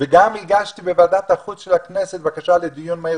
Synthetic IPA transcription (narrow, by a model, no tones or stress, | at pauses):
veɡamiɡaʃt̪ibevaːd̪at̪aχut͡sʃelakneset̪bakaʃaled̪ijunmae